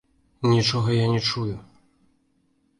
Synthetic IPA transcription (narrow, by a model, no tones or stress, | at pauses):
nʲit͡ʂɔɣɐjanʲɛt͡ʂujʊ